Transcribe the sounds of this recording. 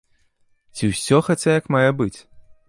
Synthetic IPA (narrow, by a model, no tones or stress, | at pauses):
t͡sʲiwsʲɔxat͡sʲajɐkmajɛbɨt͡sʲ